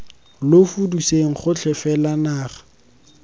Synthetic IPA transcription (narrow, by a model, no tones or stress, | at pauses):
lʊfuduseŋ̩χʊt͡ɬʰɛfɛlanaːχḁ